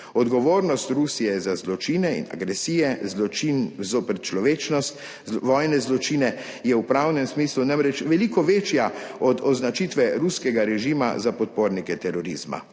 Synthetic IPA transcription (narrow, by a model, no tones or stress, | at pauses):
ɔd̪ɡɔʋoːɾnɔst̪ɾusijɛzazlɔt͡ʃinɛḭna̰ɡɾɛsiːjɛinzopɛɾt͡ʃlɔʋeːt͡ʃnɔst̪ | ʋɔjnɛzlɔt͡ʃinɛ | jɛwpɾawnɛmsmiːslunamɾɛt͡ʃʋɛlikɔʋeːt͡ʃjaɔd̪ɔznat͡ʃit̪ʋɛɾuskɛɡaɾɛʒiːma̰zapɔt̪̚poːɾnikɛt̪ɛɾɔɾḭz̥ma̰